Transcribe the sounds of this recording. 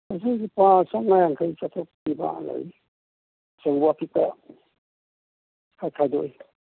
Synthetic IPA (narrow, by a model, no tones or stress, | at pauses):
as̬ajɡipasaŋajaŋkʰajt͡ʃat̪ʰɔk̚ːiba̰la̰j | sawbapʰika̰ | kʰajkʰadɔ̰j